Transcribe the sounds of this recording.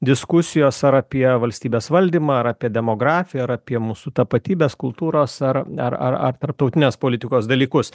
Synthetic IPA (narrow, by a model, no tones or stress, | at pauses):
d̪ʲɪskʊsʲɪjoːsɐɾɐpʲiɛʋɐlʲsʲt̪ʲiːbʲeːsʋɐlʲd̪ʲiːmɑːɐɾɐpʲiɛdʲɛmoːɡɾɑːfʲɪjɛɐɾɐpʲiɛmuːsut̪ɐpɐt̪ʲiːbʲeːskʊlˠt̪uːɾoːsɐɾɐ̰ɾɐ̰ɾɐ̰rt̪ɐɾp̚t̪ɐʊt̪ʲɪnʲeːspoːlʲɪt̪ʲɪkoːsd̪ɐlʲiːkʊs